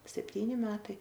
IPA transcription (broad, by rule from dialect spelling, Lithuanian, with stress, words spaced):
sʲɛpʲˈtʲiːnʲɪ ˈmʲæːtɐɪ